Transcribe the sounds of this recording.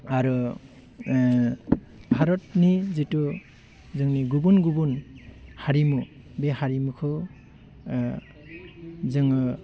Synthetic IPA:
aɾu | bʱaɾɔtnizitu | zɯŋniɡubunɡubunhaɾimu | behaɾimukʰɯ | zɯŋɯ

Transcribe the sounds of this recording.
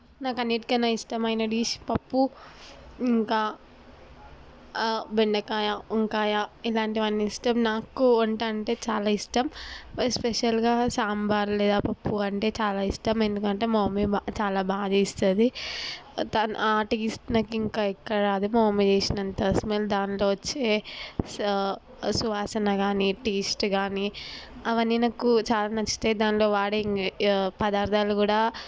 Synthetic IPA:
naːkɐneːʈ̚kɐnaisʈɐmɐjnɐɖiːʃpɐpːu | iŋkaː | beɳɖɐkaːjaiŋkaːjailaːɳʈiʋɐnːisʈɐmnaːkuɐɳʈaːɳʈe̞ːt͡ʃaːlaːisʈɐmspeʃɐlɡaːsaːmbaːɾlɛːd̪aːpɐpːuɐɳʈe̞ːt͡ʃaːlaːisʈɐmend̪ukɐɳʈe̞ːmoːmeat͡ʃaːlaːbaːd̪ɐist̪ɐnd̪i | t̪ɐnʔaːʈiːsʈnɐkːiiŋkaːikːɐɽɐɾaːd̪umoːmed͡ʒeːsinɐnt̪ɐsmeld̪aːnlo̞ːʋɐt͡ʃːeː | suʋaːsɐnɐɡaːniʈiːsʈɡaːniɐʋɐnːinɐkːut͡ʃaːlaːnɐt͡ʃːi̥t̪e̞ːd̪aːnlo̞ːʋaːɽeŋpɐd̪aːɾd̪ʱaːlukuːɽaː

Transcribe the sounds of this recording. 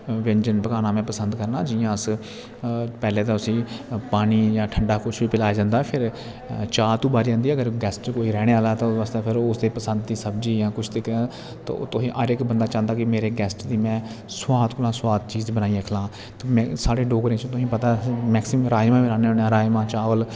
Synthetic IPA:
ʋɛ̃ɲd͡ʒənpəkaːnãːmɛ̃ːpəsənd̪kəɾnaːd͡ʒijãːəs | pɛːleːt̪ãʊsĩːpaːniːjãːʈʰəɳɖaːkʊt͡ʃʰʋiːpɪlaːjad͡ʒãːnd̪aːpʰɪɾ | t͡ʃaːt̪uːbaːɾiːãːnd̪iːɛəɡəɾɡɛːsʈt͡ʃkoːiːɾɛːɽ̃eːaːlaːt̪ãːsaːst̪eːpʰɪɾʊsd̪eːpəsənd̪t̪iːsəbd͡ʒiːjãːkʊt͡ʃʰd̪ekʰã | t̪ːt̪ʊsĩːʔəɾɪkbənd̪aːt͡ʃãːnd̪aːkɪmeːɾeːɡɛːsʈd̪iːmɛ̃ː | swaːt̪kʊlãːswaːd̪̚t͡ʃiːzbənaːiːəkʰlãː | t̪ːmɛ̃ːsaːɽeːɖoːɡɾẽːt͡ʃõt̪ʊsĩːpət̪aːmɛːksɪmɾaːd͡ʒmãːʋiːɾãːneːonãːɾaːjmãːt͡ʃaːʋəl

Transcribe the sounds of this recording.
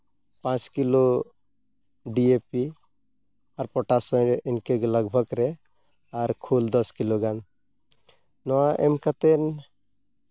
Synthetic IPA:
pãt͡ʃkilo | ɖiepi | aɾpɔʈasɔinkeɡləɡbʱəɡɾɛ | aɾkʰuld̪ɔskiloɡan | nɔaʔḛmkat̪en

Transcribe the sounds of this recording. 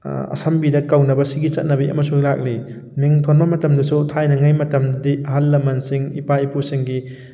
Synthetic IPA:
ɐ̰sɐmbidɐkawnɐbɐsiɡit͡ʃɐt̚nɐbiʔɐ̰mɐsuŋlak̚li | miŋtʰonbɐmɐtɐmdɐsutʰajnɐŋajmɐtɐmddiɐɦalːɐmɐnsiŋipaipusiŋɡi

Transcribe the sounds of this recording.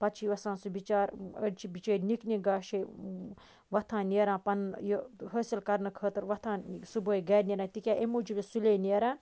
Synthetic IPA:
pɐt̪t͡ʃʰiʋɐsãːnsubit͡ʃaːɾəɽt͡ʃʰibit͡ʃəːɾʲnikniɡaːʃe | ʋɐt̪ʰãːneːɾãːpɐnjoɦəːsilkɐɾnɨkʰəːt̪ɨɾʋɐt̪ʰãːsubəːiɡɐːnʲeɾãːt̪ikʲaːʔemuːd͡ʒʰibʲesuleːneːɾãː

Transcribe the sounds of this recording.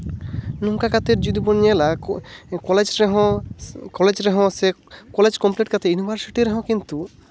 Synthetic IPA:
nuŋkakat̪eɾd͡ʒud̪ibɔnijala | kɔled͡ʒɾeɦɔ̃kɔled͡ʒɾɛɦɔ̃sekɔled͡ʒkɔmpleʈ̚kat̪ʰejunibʱaɾsiʈiɾɛɦɔ̃kint̪u

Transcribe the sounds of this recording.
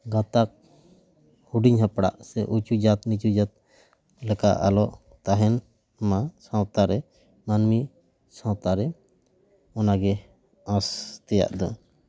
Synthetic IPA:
ɡãt̪ak̚ | huɖiɲɦãpɽa̰ʔsɛʔut͡ʃud͡ʒat̪nit͡ʃud͡ʒat̪̚ | lɛka̰ʔa̰lɔʔ | t̪aɦɛn | masãwt̪aɾɛ | manmi | sãwt̪aɾɛ | ɔnaɡɛ | ãst̪ɛja̰ʔd̪a̰

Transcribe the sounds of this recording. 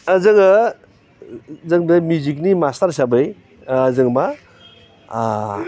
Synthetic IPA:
zɯŋa | zɯŋbemjuzik̬̚nimastaɾsabɯj | zɯŋma

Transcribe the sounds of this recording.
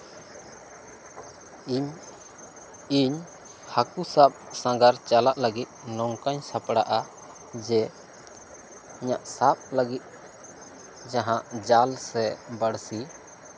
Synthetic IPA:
iɲ | hakusap̚sãɡaɾt͡ʃalaʔləɡit̪̚ˀnɔŋkaɲsapɽaʔa | d͡ʒɛ | iɲaʔsapləɡit̪̚ˀ | d͡ʒaɦãʔd͡ʒalsɛbəɽsi

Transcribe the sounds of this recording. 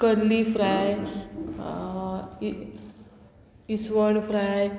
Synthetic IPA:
kəɾlifɾaj | isʋəɳfɾaj

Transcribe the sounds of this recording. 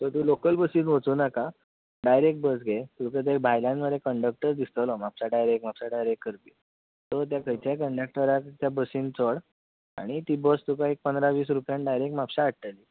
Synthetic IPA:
t̪əɾt̪uːlokəlbəsiːnʋət͡suːnaka | ɖajɾek̚ʈ̚bəsɡet̪ukət̪̬ebʱajlãnməd̪ʱekəɳɖək̚ʈəɾd̪ist̪əlɔmapɕaɖajɾek̚ʈmapɕaɖajɾekːəɾpi | t̪ɔɾt̪̬jakʰəjt͡ɕjakəɳɖək̚ʈəɾakt̪jabəsint͡səɽ | a̰ɽ̃it̪iːbəst̪ukaek̚pənd̪ɾaʋiːsɾupjãnɖajɾek̚ʈmapɕaːʈt̪əli

